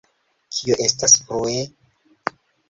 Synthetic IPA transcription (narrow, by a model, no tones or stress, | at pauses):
kʰioʔe̞staspɾoe